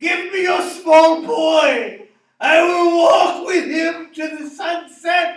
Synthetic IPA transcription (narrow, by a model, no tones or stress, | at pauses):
ɡ̥ɪvmijə˞smɔlˠbɔɪ | aɪwɪlˠwɔkwɪð̥ɪ̃mtʰɨðɨsʌ̃nsɛt̚